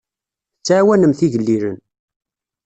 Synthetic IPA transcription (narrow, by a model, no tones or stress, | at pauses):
t͡sːʕawænəmθiʝəlːiɾə̰n